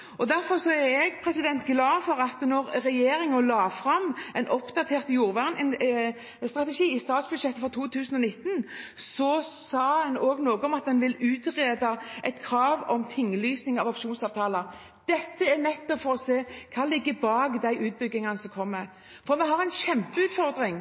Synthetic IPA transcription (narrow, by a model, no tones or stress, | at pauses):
ɔd̪æɾfɔʁsɔæɾɛɡpʰʁɛsɪd̪ɛnt̪ɡlɑːdfɔɾɑt̪nɔɾɾɛjeːɾɪŋəlɑːfɾɑmːɛnʔɔpd̪ɑt̪ʰeːʁt̪juːɾʋæːʁnɪn | st̪ɾɑt̪əʃiːɪst̪ɑːt̪sbʉd̪ʂɛt̪ːəfɔʁt̪ʰuːt̪ʰʉːsənɔnɪt̪ːnsɔsɑːhɛnoːɡnoːɡəɔmɑt̪̚d̪ɛnʋɪlʉːt̪ʁeːd̪ɑʔɛt̪kʰɾɑːʋɔmt̪ʰɪŋːəlyːsnɪŋɑʋɑpʃuːnsɑːʋt̪ʰɑːləɾ | d̪̥ɛt̪ːəænɛt̪ːɔfɔɾɔseːkʰɑːlɪɡːəbɑːɡd̪æɪʔʉːt̪̚bʏɡːɪŋɑnəsɔmkʰɔmːəɾ | fɔɾmɛɦɑʁɛɪnɕɛmpəʉːt̪fɔʁd̪ɾɪŋ